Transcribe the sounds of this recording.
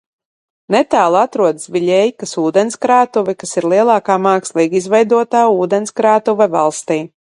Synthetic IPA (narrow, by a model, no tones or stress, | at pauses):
nɛt̪aːlˠat̪ɾuɔd̪svʲiʎʲɛjkasuːd̪ɛnskɾaːt̪uvikasiɾlˠiɛlˠɑːkaːmɑːkslˠiːɡizvɛjd̪uɔt̪aːuːd̪ɛnskɾaːt̪uvɛvalˠst̪iː